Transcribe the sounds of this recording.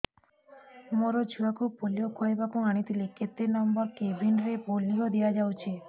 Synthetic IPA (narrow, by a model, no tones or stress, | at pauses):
moɾod͡ʒʰʱuakupolijokʰoebakũaɽ̃it̪ʰileket̪ːenɔmbɔɾkebʱinɾepolijod̪ijad͡ʒawt͡ʃʰe